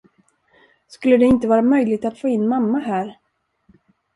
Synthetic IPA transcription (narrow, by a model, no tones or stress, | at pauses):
skɵlːəd̪ɛɪnt̪əvɑːɾamœjlɪɡ̚t̪at̪foːɪnːmamːaɦæːɾ